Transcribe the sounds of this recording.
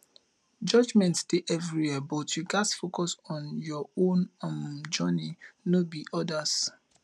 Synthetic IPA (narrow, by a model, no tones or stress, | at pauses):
d͡ʒɔd͡ʒmɛ̃ntsd̥eʔɛvɾiwɛbɔtjuɡasfokɔsɔ̃njɔõnmd͡ʒɔninobiʔɔdas